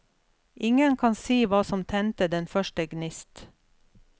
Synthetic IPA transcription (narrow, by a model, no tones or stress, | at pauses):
ʔɪŋənkʰɑnsiːʋɑːsɔmt̪ʰɛnt̪əd̪ɛnfœʃʈəɡnɪst̪